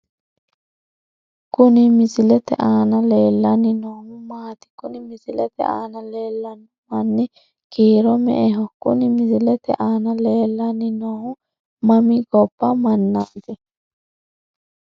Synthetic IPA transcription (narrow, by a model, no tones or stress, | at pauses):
kʊnɪmɪsɪlɛt̪ɛ̰ʔaːnɐleːlːɐnɪnoːhʊmaːt̪ɪ̥kʊnɪmɪsɪlɛt̪ɛ̰ʔa̰ːnɐleːlːɐnʊmɐnːɪ | kiːɾɔmɛ̰ʔɛɦɔkʊ̰nɪmɪsɪlɛt̪ɛ̰ʔaːnɐleːlːɐnːɪnoːhʊ | mɐmɪɡɔpːɐmɐnːɐʔt̪ɪ